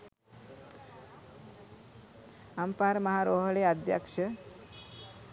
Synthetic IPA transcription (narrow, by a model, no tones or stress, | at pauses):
ampaɾmɐɦaɾoːɦɐɭead̪ja̰kʂə